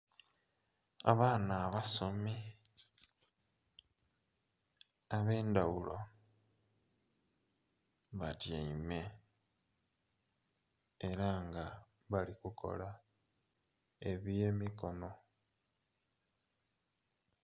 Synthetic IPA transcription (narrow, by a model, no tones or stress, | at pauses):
a̰βaːnaːβasomi | aβe̞ːndawulo̞ | βatjaime̞ | ɾaŋɡa | βalikukʰo̞̰la | e̞βiemiko̞no̞